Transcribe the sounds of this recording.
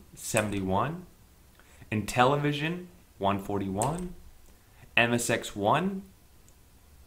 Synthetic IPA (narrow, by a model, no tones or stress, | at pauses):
sɛvn̩tiwʌ̃n | ɨ̃ntʰɛlˠəvɪʒɨ̃n | wʌ̃nfɔɹɾiwʌ̃n | ɛ̃mɨsɛkswʌ̃n